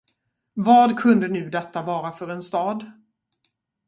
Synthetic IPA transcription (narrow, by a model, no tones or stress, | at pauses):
vɑːd̪kʰɵnd̪ənʉ̟ːd̪ɛt̪ːavɑːɾafœɾɛnst̪ɑːd̪